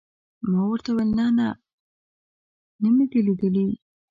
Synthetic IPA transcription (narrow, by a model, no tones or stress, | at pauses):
mawəɾt̪awelnɑna | nəmiɡ̪eled̪əli